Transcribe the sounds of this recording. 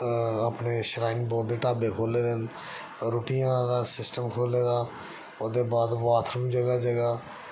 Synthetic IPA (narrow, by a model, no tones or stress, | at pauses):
aːpneːʃəɾaːinboːd̪eːʈaːbeːkʰoːleːd̪n | ɾoːʈijãːd̪aːsɪsʈəmkʰoːleːd̪aː | oːd̪eːbaːd̪ʋaːt̪ʰɾəmd͡ʒəɡaːd͡ʒəɡaː